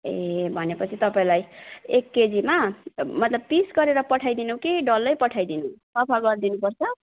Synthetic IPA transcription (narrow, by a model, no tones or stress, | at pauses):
ebʱʌnepʌt͡sʰit̪ʌpaĩlajekːed͡zimamʌt̪lʌb̚pisɡʌɾeɾʌpʌʈʰajd̪inukiɖʌlːʌjpʌʈʰajd̪inũsʌpʰaɡʌɾd̪inupʌrt͡sʰʌ